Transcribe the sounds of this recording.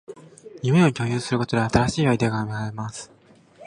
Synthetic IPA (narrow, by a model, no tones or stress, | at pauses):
jɯmeoo̟kʲo̞ːjɨːsɨɾɯ̟ko̞t̪od̪eat̪aɾaɕiːaid̪eɡaːmeaɾemasɨ̥